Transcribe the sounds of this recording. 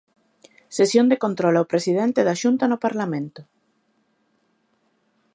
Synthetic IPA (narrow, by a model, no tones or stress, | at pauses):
sesjõnd̪ekont̪ɾolaopɾesiðent̪eðaʃunt̪anopaɾlamẽnt̪o